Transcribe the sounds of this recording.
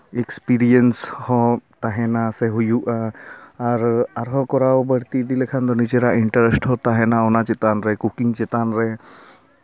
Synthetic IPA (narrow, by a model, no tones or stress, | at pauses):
ekspiɾienshɔ̃t̪aɦɛnasɛɦujuʔaaɾaɾɦɔ̃kɔɾawbəɽt̪id̪ilɛkʰand̪ɔnid͡ʒɛɾaʔiɳʈəɾesʈhɔt̪aɦɛnaɔnat͡ʃɛt̪anɾɛkukiŋt͡ʃɛt̪anɾɛ